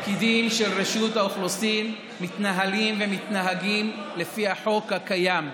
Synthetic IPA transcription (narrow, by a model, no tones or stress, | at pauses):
kid̪imʃe̞lʁeʃut̪haoχlosimː | it̪naɦalimvemit̪naɦaɡimle̞fihaħo̞khakajam